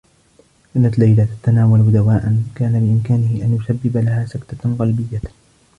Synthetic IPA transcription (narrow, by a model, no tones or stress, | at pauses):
ʔɪnːat̪lajlat̪at̪ːanaːwald̪awaːʔankaːnabɪʔɪmkaːnɪhɪʔanjʊsabːɪbalahaːsakt̪aqɑlbɪjːa